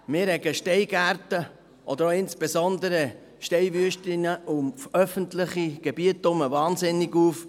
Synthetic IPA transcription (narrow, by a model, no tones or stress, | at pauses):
mɪːɾhɛɡəʃtɛɪɡæɾtə | ʔɔd̥̪əɾoɪnsb̥ezɔnd̪əɾə | ʃtɛɪʋyəʃtɪnəʔʊmfœfəntlɪχiɡ̥ɛb̥iətːʊməvɑːnzɪnːiɡuːf